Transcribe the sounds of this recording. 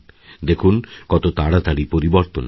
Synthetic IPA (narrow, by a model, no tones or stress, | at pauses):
d̪ekʰunkɔt̪ot̪aɽat̪aɽipoɾiboɾt̪on